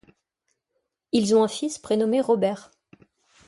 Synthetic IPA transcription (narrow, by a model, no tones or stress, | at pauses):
ilzɔ̃ɛ̃fispχenɔmeʁɔbɛʁ